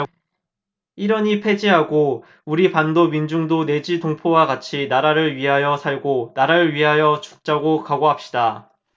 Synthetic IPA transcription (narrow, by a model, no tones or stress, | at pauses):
iɾʌɲipʰe̞d͡ʑiɦaɡo | uɾipandomind͡ʑuŋdone̞d͡ʑitoŋpʰowaɡat͡ɕʰinaɾaɾɯɭɥiɦajʌsʰaɭɡonaɾaɾɯɭɥiɦajʌt͡ɕuk̚t͡ɕ͈aɡokaɡoɦap̚ɕ͈ida